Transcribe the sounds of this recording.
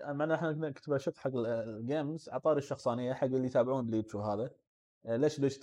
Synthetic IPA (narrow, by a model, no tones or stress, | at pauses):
maʕnaɪħnaknkt̪baʃɪt̪ħaɡːɡaːmzʕɑ̰t̪ˤɑːɾɪʃːɑxsˤɑːnɪjːaħaɡːɪlːijt̪aːbʕuːnlibʃuːfɦaːða | leːʃleːʃ